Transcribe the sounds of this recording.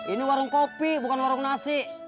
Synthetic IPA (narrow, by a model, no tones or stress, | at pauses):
iniwaɾuŋkopibukanwaɾuŋnasiʔ